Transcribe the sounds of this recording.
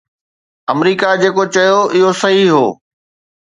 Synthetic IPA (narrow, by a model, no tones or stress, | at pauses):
ɐmɾiːkad͡ʑeːkot͡ɕɐjoɪɦosɐɦiɦo̰ː